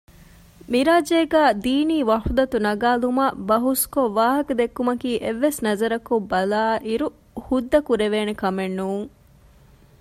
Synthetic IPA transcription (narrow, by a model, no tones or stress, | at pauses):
miɾaːd͡ʒeːɡæːd̪iːniːʋɐʂud̪ɐt̪unɐɡaːlumabɐɦuskoʋaːɦɐkɐd̪ekːumɐkiːʔeʋːesnɐzɐɾɐkobɐlaːʔiɾu | hud̪ːɐkuɾeʋeːnekɐmenːuːŋ